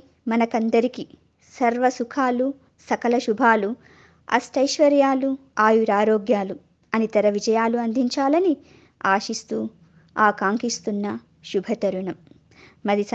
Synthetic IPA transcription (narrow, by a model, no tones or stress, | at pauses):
mɐnɐkɐnd̪ɐɾiki | sɐɾʋɐsukʰaːlu | sɐkɐlɐʃubʱaːlu | ɐ̰sʈɐjʃʋɐɾjaːluaːjuɾaːɾoːɡjaːlu | ɐnit̪ɐɾɐʋid͡ʒɐjaːluɐnd̪ʱiɲt͡ʃaːlɐni | aːʃist̪uː | aːkaːŋkist̪unːɐ | ʃubʱɐt̪ɐɾuɳɐmː | ɐd̪is